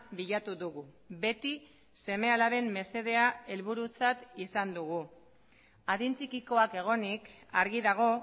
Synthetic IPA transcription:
biʎat̪uðuɣu | βe̞t̪i | se̞me̞alaβe̞mme̞se̞ð̞e̞ae̞lβuɾut͡sat̪isand̪uɣu | aðint͡sikiko̞ake̞ɣ̞o̞nikaɾɣiðaɣ̞o̞

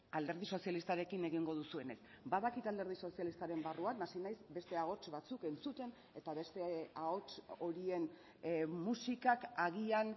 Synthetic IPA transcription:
ald̪e̞ɾð̞iso̞sjalist̪aɾe̞kine̞ɣ̞iŋɡo̞ð̞usue̞ne̞s | baðakit̪ald̪e̞ɾð̞iso̞sialist̪aɾe̞mbaruaknasinajsbe̞st̪e̞aɣo̞t͡ʃβat͡suke̞nt͡sut̪e̞n | e̞t̪aβe̞st̪e̞aɣo̞t͡ʃo̞ɾie̞n | musikakaɣian

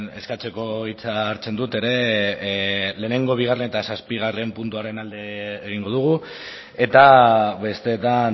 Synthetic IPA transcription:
ne̞skat͡se̞ko̞it͡saːɾt͡se̞nd̪ut̪e̞ɾe̞ | le̞ːne̞ŋɡo̞β̞iɣ̞arenet̪asaspiɣ̞arempunt̪uaɾe̞nald̪e̞ːɣ̞iŋɡo̞ðuɣ̞u | e̞t̪aβe̞st̪e̞t̪an

